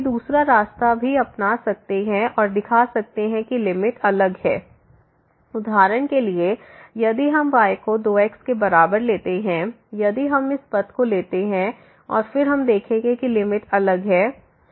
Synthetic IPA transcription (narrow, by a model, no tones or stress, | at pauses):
d̪uːsɾaɾaːst̪abʱiɐpnasɐk̚t̪eɦɛ̃ʔɔːɾd̪ɪkʰasɐk̚t̪eɦɛ̃kilɪmɪʈɐləɡɦɛː | ʊd̪ʱaːɾəɽ̃keliejɐd̪iɦɐmbaːjkod̪oːɛːkskebɐɾaːbəɾleːt̪eɦɛ̃ | jɐd̪iɦɐmɪspɐt̪koleːt̪eɦɛ̃ | ɔ̰ːɾfɪɾɦɐmd̪eːkʰẽɡekilɪmɪʈɐləɡɦɛː